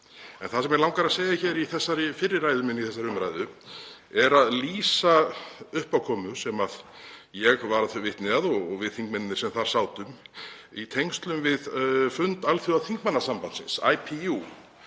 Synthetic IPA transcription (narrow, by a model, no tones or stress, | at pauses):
ɛnθasɛmjɛɾlawŋkaɾaðsejaçɛɾiθɛsːaɾɪfɪɾːɪɾːajðʏmɪnːiθɛs̬aɾʏmɾa̰jðʏ | ɛɾaðliːsaʏhpawkʰɔːmʏ̥sɛmaðjɛɣvaɾaðθœvɪht̪nɪaðɔɣɔɣvɪðθiŋk̚mɛnɪnɪ̥ɾsɛmθaɾ̥saːwt̪ʏmit̪ʰejŋst̪lʏmvɪðfʏnt̪alθjʏaθiŋkmanːasampansɪ̰nsa̰ːjpʰiu